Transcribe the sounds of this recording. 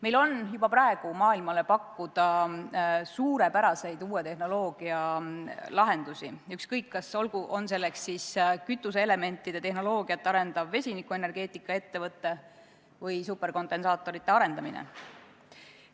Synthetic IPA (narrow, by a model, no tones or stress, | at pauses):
me̞jlo̞njub̥ɑprɑe̞ɡ̥umɑːilmɑle̞pɑkːud̪̥ɑ | suːɾe̞pæɾɑse̞jd̪̥uːet̪e̞hno̞lo̞ːɡ̥iɑ | lɑɦe̞nd̪̥usʲiykskɤjkːɑso̞lɡuʔo̞ns̬e̞lːekssiːskyt̪ːˑuseele̞me̞nʲt̪ːˑid̪̥e̞t̪e̞hnolo̞ːɡ̥iɑt̪ːeɑɾe̞nd̪̥ɑvve̞sʲinikːˑue̞ne̞rɡe̞ːt̪ːˑikːˑɑe̞t̪ːe̞vɤt̪ːe̞ | vɤjsupːe̞rko̞nd̪̥e̞nsɑːt̪ːˑo̞ɾit̪ːˑe̞ɑɾe̞nd̪̥ɑminḛ